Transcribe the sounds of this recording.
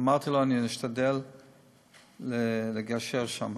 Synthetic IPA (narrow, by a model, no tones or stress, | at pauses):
maʁt̪iloaniiʃt̪ad̪el | eleɡaʃeʁʃam